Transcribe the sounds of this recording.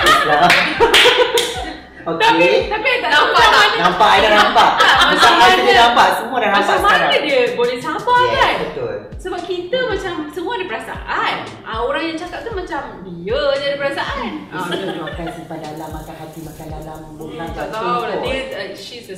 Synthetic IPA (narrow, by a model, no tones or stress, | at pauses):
la | okt̪ait̪apianãanampaʔadanampaʔmãsaaidədampaʔsəmuadaɾampamankədiəbolɛhsabakkanbət̪ʊl | səbap̚kit̪əmãt͡ʃamsəmũadipəɾasa̰ʔan | ʔəoɾaŋjaŋt͡ʃakap̚t̪umãt͡ʃamdiəd͡ʒadipəɾasaʔanĩsnadimakɛnsipadalamakanɦat̪imakandalambutakaaldiəʃis